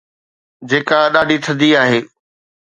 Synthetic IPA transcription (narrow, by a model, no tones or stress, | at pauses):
d͡ʑeːkaɗaːɖʱit̪ʰɐ̃d̪iaːɦeː